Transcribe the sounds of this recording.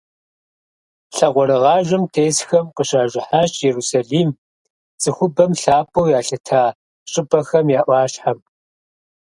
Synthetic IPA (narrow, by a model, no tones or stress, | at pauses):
ɬɐʁʷɔɾɨʁɑːʒʷɐmtʰeːsxɐmqəɕaːʒʷɪħaːɕjɛɾuːsaɮiːm | t͡sʼɨxʷʊbɐmɬaːpʰɐwjaːɬɐtʰaː | ɕʼɪbɐxɐmjaːʔʷɑːɕħam